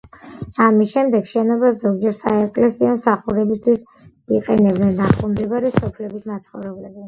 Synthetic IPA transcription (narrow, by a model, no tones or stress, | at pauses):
amisʃɛmd̪ɛɡʃɛnɔbazɔɡd͡ʒɛɾsaɛkʼlɛsiɔmsaχuɾɛbist̪ʰwis | iqʼɛnɛbd̪nɛnːaχɔmd̪ɛbaɾisɔpʰlɛbismat̪sʰχɔvɾɛblɛbi